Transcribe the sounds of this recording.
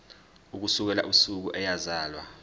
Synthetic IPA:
uk̬usuk̬ɛla̰ʔusuk̬uʔɛjazaːlwa

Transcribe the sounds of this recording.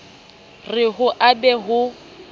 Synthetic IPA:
rɪɦʊʔabɛɦʊ

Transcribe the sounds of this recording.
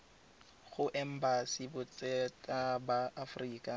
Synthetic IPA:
χʊʔɛm̩basibʊt͡sʼɛtʼabaːfriːkʼa

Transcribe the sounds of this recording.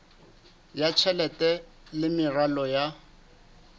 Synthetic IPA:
jat͡ʃʰɛlɛtʼɛ | lɪmɪralɔja

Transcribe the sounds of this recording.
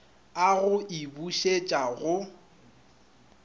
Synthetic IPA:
aɣʊʔibuʃet͡ʃʼaɣʊ

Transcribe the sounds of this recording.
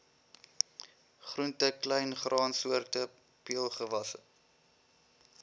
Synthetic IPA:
χruntəklɛjnχrʔɑːnsuərtə | piəlˠχəvɐsə

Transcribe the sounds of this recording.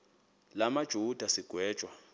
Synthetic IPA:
lamad̥ʒ̥ʱud̥ʱasiɡ̥ʱwɛːd̥ʒ̥ʼʱwa

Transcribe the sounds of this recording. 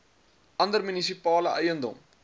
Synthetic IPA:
ʔɐndərmynisipɑːləʔəjəndɔ̰m

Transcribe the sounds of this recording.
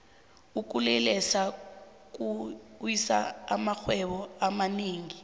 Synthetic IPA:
uk̬ulɛlɛsa | k̬ʼuwisa̰a̰maxwɛɓɔamaniːŋi

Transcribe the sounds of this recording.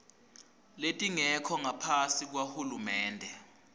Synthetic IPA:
letʼiŋɛkʰɔŋapʰasik̬wahulumɛːndʱɛ

